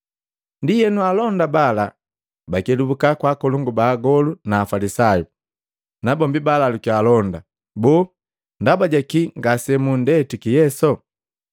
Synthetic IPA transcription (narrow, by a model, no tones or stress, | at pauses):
ndijɛnualɔndabala | bakɛdubukakwaːkɔluŋɡubaːɡɔlunaːfalisaju | nabɔmbibalalukialɔnda | bɔː | ndabaɟakiŋɡasɛmundɛtukijɛsɔ